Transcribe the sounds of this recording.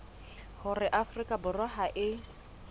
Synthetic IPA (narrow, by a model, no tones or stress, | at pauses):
hʊrɪʔafrikʼabʊrɔɦaʔɪ